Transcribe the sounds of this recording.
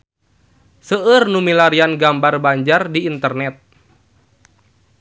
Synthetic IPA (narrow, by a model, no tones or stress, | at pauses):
səʔərnumilaɾianɡambarbaɲd͡ʒardiːnt̪ərnɛt̪̚